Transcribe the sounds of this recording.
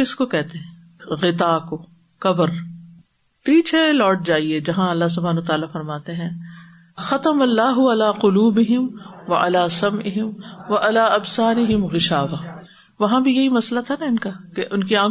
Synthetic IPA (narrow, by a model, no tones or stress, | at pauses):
kɪskokɛɦt̪eɦɛ̃ː | ɣɪt̪aːko | kɐbəɾ | piːt͡ʃʰelɔːʈ̚d͡ʒaːied͡ʒɐɦãɐlːas̬ʊbʱaːnoːt̪aːlafɐɾmaːt̪eɦɛ̃ː | xɐt̪ɐmɐlːaːɦʊɐlaːqʊluːbɪɦɪmʋɐ̰ʔɐ̰laːsɐmʔɪɦɪmʋɐʔɐlaːɐbsaːɾɪɦɪmɣɪʃaːʋaː | ʋɐɦãbʱijɐɦimɐslat̪ʰanaɪnkakeʔʊnkiãː